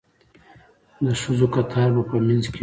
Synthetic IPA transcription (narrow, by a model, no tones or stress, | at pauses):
d̪əʂəzokat̪ʰɑːɾbapəmanzke